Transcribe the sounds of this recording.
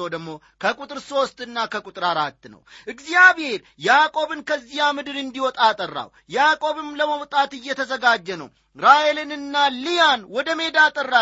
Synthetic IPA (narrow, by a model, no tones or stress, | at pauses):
od̪əɡmːo̞ | kʰəkʼut̪ʼɨɾso̞st̪ʼɨnːakʰəkʼʊt̪ʼɨɾaɾat̪ːnə̰wʔɨɡzijaβhe̞ɾ | jakʼo̞βɨnkʰəzːijamɨd̪ɨɾɨnd̪iwɔt̪ʼat̪ʼərːa̰w | jakʼo̞βɨmləməwt̪ʼat̪ɨjːɛt̪ʰəzəɡad͡ʒːɛnə̰w | ɾajelɨnɨnːalijanwɔd̪əme̞d̪at̪ʼərːa